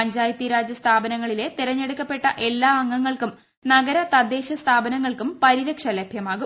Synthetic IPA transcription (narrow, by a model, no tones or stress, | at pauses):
pɐɲd͡ʑaːjɐt̪ːiɾaːd͡ʑjɐst̪ʰaːbɐnɐŋːɐɭile̞t̪iɾɐɲːe̞ɽukːɐpːe̞ʈːɐʔe̞lːaːɐŋːɐŋːɐɭkum | nɐɡɐɾɐt̪ɐd̪eːɕɐst̪ʰaːbɐnɐŋːɐɭkumpɐɾiɾɐkʂɐlebʱjɐmaːɣu